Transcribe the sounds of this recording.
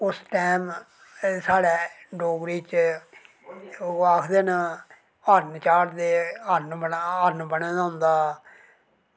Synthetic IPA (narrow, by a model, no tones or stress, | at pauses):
ʊsʈɛːm | saːɽɛː | ɖoːɡɾiːt͡ʃ | aːkʰd̪eːna | aɾnt͡ʃaːɾd̪eːəɾnbənəɾnbənẽːd̪ãːʊ̃nd̪aː